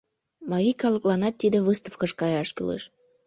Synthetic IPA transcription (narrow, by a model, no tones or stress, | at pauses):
mɑɾʲikɑləklɑnɑt̪ːid̪eβɨst̪əfkəʃkɑjɑʃky̰lḛʃ